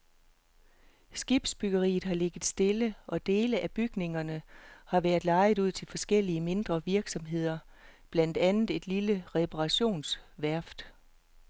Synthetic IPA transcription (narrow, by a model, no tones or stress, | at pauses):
sɡ̥ib̥sb̥yɡ̥ɐʁḭːð̩ˠɦɑ̈le̝ɡ̥ð̩ˠsd̥e̝ləʔɒ̽d̥e̝ːləʔæb̥yɡ̥ne̝ŋɐnəhɑ̈ʋæɐð̩ˠlɑ̈ɪð̩ˠuð̞̰ˠt͡sʰe̝lfɒ̽sɡ̥el̰iəme̝nd̥ʁɐʋiɐɡ̥sɒ̽mɦe̝ð̞̰ˠɐ | b̥læn̰d̥ænð̩ˠe̝d̥liləʁɛpʰɑʁɑ̈ɕo̝̰ːnsʋæɐfd̥